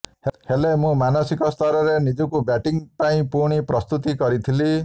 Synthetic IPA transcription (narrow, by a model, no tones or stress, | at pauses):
hhelemũmanʌsikɔst̪ʰʌɾɔɾenid͡ʒukubjaʈiŋpaĩpuɾɽ̃ipɾʌst̪ut̪ikʌɾit̪ʰili